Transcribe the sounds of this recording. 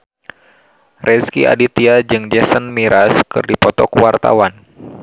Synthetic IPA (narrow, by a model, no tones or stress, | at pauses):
rʔɛskḭʔa̰dit̪iad͡ʒɨŋd͡ʒɛsənmiɾaskɨ̰rdipɔt̪ɔkuwart̪a̰wan